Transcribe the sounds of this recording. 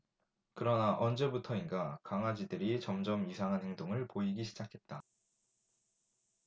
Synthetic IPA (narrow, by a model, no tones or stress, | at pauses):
kɯɾʌnaʔʌnd͡ʑe̞butʰʌinɡakaŋad͡ʑidɯɾit͡ɕʌmd͡ʑʌmisʰaŋɦanhe̞ŋdoŋɯɭpoiɡiɕʰid͡ʑakʰe̞t̚t͈a